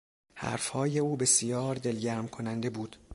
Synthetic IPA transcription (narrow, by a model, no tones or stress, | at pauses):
hæ̰ɾfhɒːje̞uːbe̞sijɒːɾd̪e̞lɟæɾmkʰonænd̪e̞buːd̪̥